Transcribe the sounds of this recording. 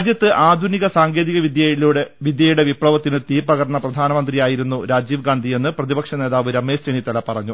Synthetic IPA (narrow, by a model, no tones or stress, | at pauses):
d͡ʑjɐt̪ːɨʔaːd̪ʱuniɣɐsaːŋɡe̞ːðiɣɐʋid̪jɐiluɽeʋid̪jɐjuɽe̞ʋipɭɐʋɐt̪ːinɨt̪iːrpɐɣɐɾɐɳɐprɐd̪ʱaːnɐmɐnd̪rijaːjiɾunːuɾaːd͡ʑiːʋɡaːnd̪ʱije̞nːɨprɐðibɐkʂɐne̞ːðaːʋɨɾɐmːe̞ːst͡ɕenit̪ɐlɐpːɐrɐɲːu